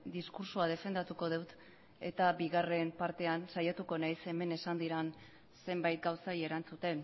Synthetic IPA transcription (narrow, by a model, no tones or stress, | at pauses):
d̪iskuɾsuað̞e̞fe̞nd̪at̪uko̞ð̞ewt̪ | e̞t̪abiɣare̞mpaɾt̪e̞ansajat̪uko̞najse̞me̞ne̞sand̪iɾan | se̞mbajt̪̚ɡawsaje̞ɾant͡sut̪e̞n